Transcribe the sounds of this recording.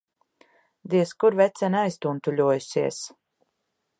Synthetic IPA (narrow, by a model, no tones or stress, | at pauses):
d̪iɛskuɾvɛt̪sɛnajst̪unt̪ulʲuɔjusiɛs